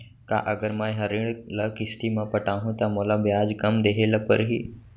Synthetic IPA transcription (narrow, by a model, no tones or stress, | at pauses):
ka̰ʔəɡəɾmãːjɦəɾiɽləkɪst̪imãpəʈaːɦũt̪amolabjaːd͡ʒkəmd̪eɦeləpə̰ɾɦiː